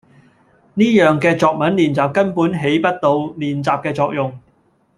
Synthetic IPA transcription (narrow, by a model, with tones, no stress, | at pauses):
niː˥jœː˨ŋkɛː˧t͡sɔː˨˧k̚mɐ˨˥nliː˨˩nt͡saː˨p̚kɐ˥npuː˨˥nɦe˨˥jpɐ˥t̚t̪o˧wliː˨˩nt͡saː˨p̚kɛː˧t͡sɔː˧k̚jʊ˨ŋ